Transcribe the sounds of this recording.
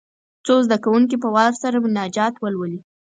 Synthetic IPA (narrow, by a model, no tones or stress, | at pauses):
t͡sozd̪akawuŋkipəwɑɾsaɾabɪnɑd͡ʒɑt̪wəlwəli